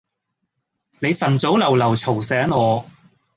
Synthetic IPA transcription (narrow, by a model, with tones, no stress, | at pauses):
ne˨˧jsɐ˨˩nt͡so˨˥wlɐ˨˩wlɐ˨˩wt͡sʰo˨˩wsɛː˨˥ŋɔː˨˧